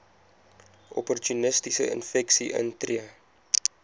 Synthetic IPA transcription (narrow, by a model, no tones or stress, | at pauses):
ʔɔpɔrtunəstisəə̰nfɛksiʔə̰ntriə